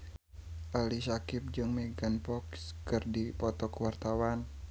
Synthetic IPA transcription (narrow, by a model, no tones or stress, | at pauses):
ʔalisakɪp̚d͡ʒɨŋmɛɡanpɔkskɨrdipɔt̪ɔkəwart̪awan